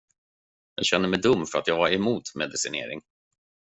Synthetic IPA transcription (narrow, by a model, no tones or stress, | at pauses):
jɑ̰ːɡɕɛnːəmɛjd̪ɵmːfœɾat̪jɑːɡvaɾɛmuːt̪mɛd̪ɪsɪnḛːɾɪ̰ŋ